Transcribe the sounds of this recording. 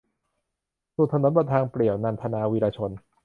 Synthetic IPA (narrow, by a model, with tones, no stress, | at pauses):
su˨˩t̪ʰːa˧no˨˦nbɔ˧˩t̪̚t̪ʰaː˧ŋpli˨˩əwna˧npʰa˧naː˧wiː˧laː˧t͡ɕʰo˧n